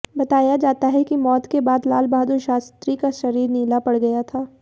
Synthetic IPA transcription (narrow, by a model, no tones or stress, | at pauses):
bɐt̪aːjad͡ʒaːt̪aɦɛkimɔːt̪kebaːd̪laːlbaːd̪oʃaːst̪ɾikaʃɐɾiːɾniːlapɐɽɡɐjat̪ʰaː